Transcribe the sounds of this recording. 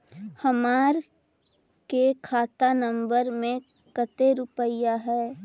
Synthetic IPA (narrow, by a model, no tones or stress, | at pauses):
hɐmaːɾ | kekʰaːt̪anə̃mbəɾmẽ | kət̪eɾʊpəjaɦɛː